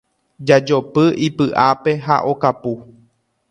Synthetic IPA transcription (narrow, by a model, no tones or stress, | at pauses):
d͡ʒad͡ʒo̞pɨʔipɨʔape̞ɦa̰ʔo̞kapu